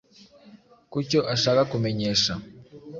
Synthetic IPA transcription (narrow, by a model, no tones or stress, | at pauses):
kuco̞ʔaʃaːkakume̞ɲe̞ʃa